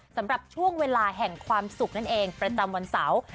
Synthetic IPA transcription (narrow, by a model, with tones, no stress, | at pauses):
sa˩˦mɾa˨˩p̚t͡ɕʰu˥˩əŋweː˧laː˧ɦɛ˨˩ŋkʰwaː˧msu˨˩k̚na˥˩nʔeː˧ŋpɾa˧t͡ɕa˧mwa˧nsa˩˦w